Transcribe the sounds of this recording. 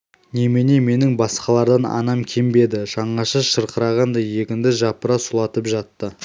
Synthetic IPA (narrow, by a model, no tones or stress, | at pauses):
ne̞meneme̞nɪŋbɑsqɑlˠɑɾd̪ɑnɑ̰nɑmkʲʰembe̞d̪ɪʒ̥ɑɴɑʃɑʃəɾqəɾɑʁɑnd̪ɑje̞kʲɪnd̪ɪʒɑpəɾɑsʊlˠɑt̪əpʒɑt̪ːə